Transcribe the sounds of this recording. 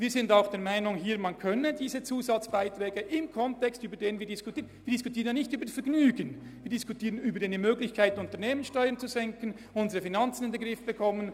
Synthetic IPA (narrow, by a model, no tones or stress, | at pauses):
viːzɪndaʊxd̥eːɐmaɪnʊŋɦiːɐmankʰœnədiːzət͡suːzat͡sb̥aɪtrɛːɡəʔɪmkʰɔntɛkstyːbədeːnənviːɐdɪskʰʊtʰiːənviːɐd̥ɪskʊ̥tʰiːʁənjanɪçtyːbədfɛɐɡnyːɡənviːd̥ɪskʊtʰiːʁənyːbəɾdeːnimøːɡlɪçkʰaɪtʊntəɐneːmənsʃtɔʏəɐnt͡suzɛŋkən̩ | ʊnzəʁəfinant͡sən̩ɪndɛɡʁɪfb̥əkʰɔmən